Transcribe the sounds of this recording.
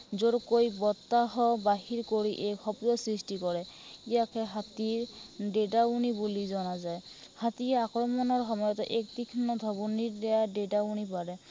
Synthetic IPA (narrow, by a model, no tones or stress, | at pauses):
zoɹkojbɔt̪ːaɦɔbaɦiɹkoɹiʔɛkxɔpdɔsɹistikɔɹɛijakʰɛɦat̪iɹɖedaunibulizɔnazajhat̪iɛakɹɔmɔnɔɹxɔmɔjɔtɔʔɛk̚tikʰɔnɔd̪ʱɔbuniɹdɛjadedaunipaɹɛ